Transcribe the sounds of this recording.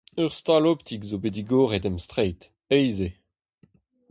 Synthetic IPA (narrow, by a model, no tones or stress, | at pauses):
øʁst̪alopt̪ʰiɡzobediɡoːʁɛdɛmst̪ʁɛjt̪ | ɛjze